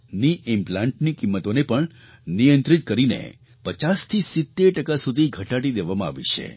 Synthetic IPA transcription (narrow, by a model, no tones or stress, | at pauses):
niʔɪmplãɳʈnikimːət̪onepəɳ | nijə̃nt̪ɾit̪̚kəɾinḛ | pət͡ʃast̪ʰisɪt̪ːeɾʈəkasud̪ʱiɡʱəʈaɽid̪eʋamãa̰ʋḭt͡ʃʰḛ